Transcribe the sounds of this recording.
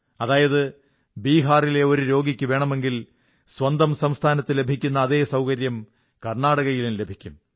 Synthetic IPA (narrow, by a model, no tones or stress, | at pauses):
ɐðaːjɐðɨ | biːɦaːrile̞o̞ɾuɾo̞ːɡikʲːɨʋe̞ːɳɐme̞ŋɡil | swɐnd̪ɐmsɐmst̪ʰaːnɐt̪ːɨle̞bʱikʲːun̪ːɐːðe̞ːsɐwkɐɾjɐm | kɐrɳaːɽɐɣɐjilumle̞bʱikʲːum